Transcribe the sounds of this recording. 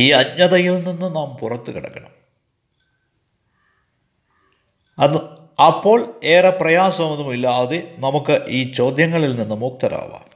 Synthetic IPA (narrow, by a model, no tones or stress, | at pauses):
iːɐɲːɐðɐjilninːɨnaːmpurɐt̪ːɨkiɽɐ̰kːɐɳɐm | ɐpːo̞ːɭeːrɐprɐjaːsɐmenumilːaːðenɐmukːɨʔiːt͡ɕo̞ːd̪jɐŋːɐɭilninːɨmuːk̚t̪ɐɾa̰ːʋa̰ːm